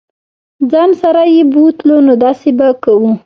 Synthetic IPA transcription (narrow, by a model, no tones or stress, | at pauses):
d͡zɑnsaɾajebut̪lonod̪ɑsebakawu